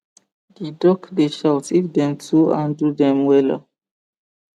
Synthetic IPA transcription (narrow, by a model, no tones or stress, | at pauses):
didɔkdeʃawtifdɛ̃mtʰuãndudɛ̃mwɛla